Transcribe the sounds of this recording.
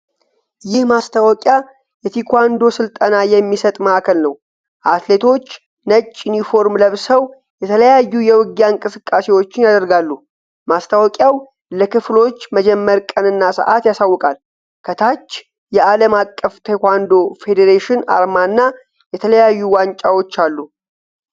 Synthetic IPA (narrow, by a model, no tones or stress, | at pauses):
jɪhmast̪ʰawɔkʼja | jɛt̪ʰikʰwand̪o̞sɨlt̪ʼənajɛmːisət̪ʼməʔkʰəlnəw | ʔat̪le̞t̪ʰo̞t͡ʃː | nət͡ʃʼːjunifo̞ɾmləβsəw | jɛt̪ʰələjajːujɛwɨɡjaɨŋkʼɨsɨkʼːase̞wo̞t͡ʃːɪnjad̪əɾɡalːu | mast̪ʰawɔkʼjaw | ləkɨflo̞t͡ʃːməd͡ʒɛmːəɾkʼənɨnːasə̰ʔat̪jasawːɔkʼal | kʰət̪ʰat͡ʃː | jɛʔaləmakʼːəft̪ʰekʷand̪o̞fe̞d̪eɾeʃɪna̰ɾmanːa | jɛt̪ʰələjajːuwant͡ʃʼawo̞t͡ʃːalːu